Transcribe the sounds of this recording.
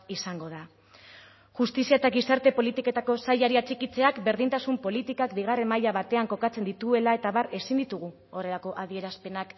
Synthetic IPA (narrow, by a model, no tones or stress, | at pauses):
isaŋɡo̞ð̞a | ʝust̪isiaet̪akisaɾt̪e̞po̞lit̪ike̞t̪ako̞sajaɾiat͡ʃikit͡se̞akbe̞ɾðint̪asumpo̞lit̪ikakbiɣ̞are̞mːajaβat̪e̞aŋko̞kat͡se̞nd̪it̪ue̞lae̞t̪aβare̞sind̪it̪uɣ̞u | o̞re̞lako̞ʔaðie̞ɾaspe̞nak